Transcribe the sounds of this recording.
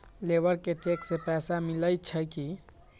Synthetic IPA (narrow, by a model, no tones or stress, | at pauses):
lebəɾket͡ʃeksepɛsamiləjt͡ʃʰəki